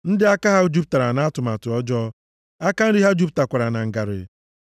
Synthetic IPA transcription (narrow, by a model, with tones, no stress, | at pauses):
n̩˦dɪ˦a˦ka˦ɦa˦o˦d͡ʒu˦p̚ta˨ɾa˨na˨˦a˦tʊ˨ma˨tʊ˨ɔ˦d͡ʒɔ˦ | a˦ka˦n̩˦di˦ɦa˦d͡ʒu˦p̬̚ta˨kʷa˨ɾa˨na˨ŋ̩˨ɡa˨ɾɪ̰˨